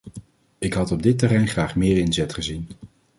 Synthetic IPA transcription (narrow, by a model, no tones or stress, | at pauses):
ɪkɦɑtɔb̚dɪtərɛjnχraːχmɪːɹɪnzɛtχəzin